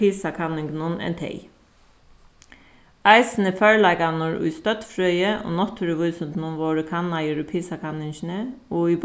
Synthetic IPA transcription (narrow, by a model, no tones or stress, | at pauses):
iːsɑkʰɑnɪŋɡnʊnɛ̰nt̪ʰḛɪ | æɪsn̩əfœɹɭæɡɑnɔɹʉ̰ːst̪œt̪fɹœʏəʔo̰ːnɔt̪ʰːʉɾəʋʉːsʉnt̪nʊmʋoːɹəkʰɑnɑjəɾʉpʰisɑkʰɑnɪŋçnəoːiːb